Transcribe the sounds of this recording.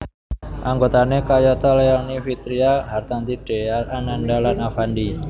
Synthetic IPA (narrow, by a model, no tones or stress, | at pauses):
ʔaŋɡot̪anekajɔt̪ɔlejaŋnifit̪ɾiaɦart̪ant̪iɖ̥eaanandalanafandi